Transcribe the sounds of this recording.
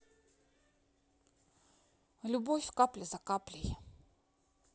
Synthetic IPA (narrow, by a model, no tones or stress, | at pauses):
lʲʊbofʲkaplʲɪzakaplʲɪj